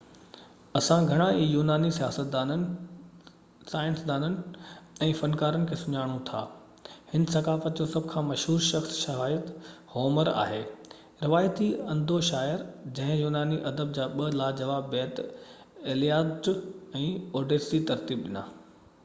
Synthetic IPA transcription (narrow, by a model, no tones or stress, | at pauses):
ɐsãɡʱɐɽ̃aijuːnaːnisijaːsət̪̚d̪anən | saːɪ̃nsd̪aːnənɪ̆ɛ̃ːfɐnkaːɾənɪ̆kʰeːsʊɲaːɽ̃õt̪ʰa̰ː | hɪnsɐkaːfət̪d͡ʑosɐbʱkʰãːmɐʃɦuːɾʃɐxsʃɐɦaːjət̪hoːməɾa̰ːɦeː | ɾɪʋaːjət̪iɐ̃nd̪ʱoʃaːjəɾd͡ʑɐ̃ɦɪ̃juːnaːniʔɐd̪əb̚d͡ʑaːɓɐlaːd͡ʑɐʋaːbbɛːt̪ | eːlijaːʈɛ̃ːoːɖeːsit̪ɐɾt̪iːbɗɪna̰ː